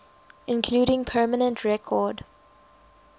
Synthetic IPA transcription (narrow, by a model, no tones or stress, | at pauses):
ɪ̃nkʰl̥uːɾɪ̃ŋpʰɜːmənə̃ntʰɹɛkʰɔd